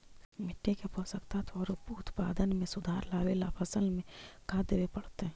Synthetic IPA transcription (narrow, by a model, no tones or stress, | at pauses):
mɪʈːekepɔːsəkt̪ʰat̪ʰɔːɾupuʊt̪pa̰ːd̪ənmẽsʊd̪ʱaːɾlaːʋelapʰəsəlmẽkʰaːd̪eʋepɐɽt̪eɦɛ̃ː